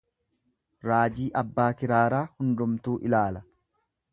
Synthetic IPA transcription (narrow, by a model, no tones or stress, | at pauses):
ɾaːd͡ʒiːʔɐbːaːkɪɾaːɾaːhʊnd̪ʊmt̪uːʔɪlaːlɐ